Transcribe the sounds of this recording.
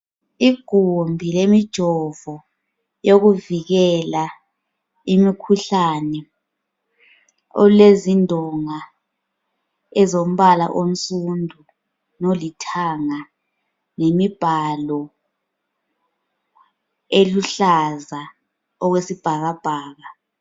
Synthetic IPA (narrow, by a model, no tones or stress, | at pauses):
iɡ̥ʱumbʱilemid̥ʒ̥ʱɔvɔ | joɣuviɣɛla | imikʰuɬanɛ | o̰lezindʱɔŋa | ɛzom̩βala̰ʔom̩sʼundʱu | nolitʰaŋa | nemib̥ʱalɔ | eluɬaza | ɔɣwesib̥ʱaɣab̥ʱaːɣa